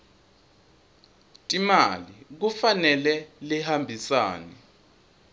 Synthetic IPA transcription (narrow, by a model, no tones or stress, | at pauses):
tʼimalik̬ufanɛlɛlihambʱisa̰ːnɛ